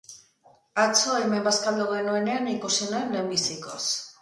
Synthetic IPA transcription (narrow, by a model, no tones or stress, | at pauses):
at͡soaemembaskald̪oɣenoeneanikusinaenlembisikos